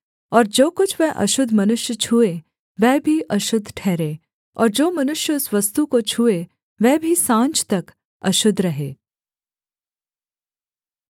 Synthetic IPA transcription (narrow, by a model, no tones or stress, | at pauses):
ɔːɾd͡ʒoːkʊt͡ʃʰʋɛʔɐ̰ʃʊd̪ʱmɐnʊʃjət͡ʃʰuːe | ʋɛːbʱiʔɐʃʊd̪ʱʈʰɛːɾeː | ɔ̰ːɾd͡ʒoːmɐnʊʃjəʊsʋɐst̪ukot͡ʃʰuːe | ʋɛːbʱisãːɲt͡ʃt̪ɐk | ɐ̰ʃʊd̪ʱːɾɐɦḛː